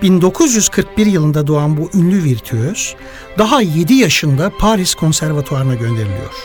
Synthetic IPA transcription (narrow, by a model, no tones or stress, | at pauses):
b̥ind̪o̞kʰuzjyz̥kʰɯɾk̚biɾjɯlˠɯnd̪ad̪oanbuʔynlʲyviɾt̪ʰyøz̥ | d̪aɦaje̞d̪ijaʃɯnd̪apʰaɾiskʰo̞nsæɾvat̪ʰuaɾɯnaɟø̞nd̪e̞ɾilʲḭjo̰ɾ̥